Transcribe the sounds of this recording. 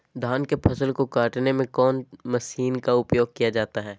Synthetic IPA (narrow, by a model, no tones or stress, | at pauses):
d̪ʱaːnkepʰɐsəlkokaːʈnemẽkɔːnmɐsiːnkaʊpjoːɡ̚kijad͡ʒaːt̪aɦɛː